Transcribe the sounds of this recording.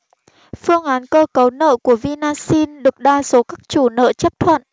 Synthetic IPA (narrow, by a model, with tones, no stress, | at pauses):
fɨ˧əŋʔaː˨˦nkəː˧kə˨˦wnə̰ː˧˨ku˧˩əvi˧naː˧si˧nɗɨ˨˩ək̚ɗaː˧so˨˦kaː˦˥k̚t͡ɕu˧˩nə̰ː˧˨t͡ɕə˦˥p̚t̪ʰwə̰˧˨nʔ